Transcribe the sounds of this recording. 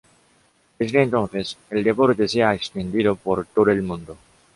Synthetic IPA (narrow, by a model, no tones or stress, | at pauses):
d̪e̞zðent̪o̞n̟θe̞se̞ld̪e̞po̞ɾt̪e̞seaekst̪end̪iðo̞po̞ɾt̪oðoelmũnd̪o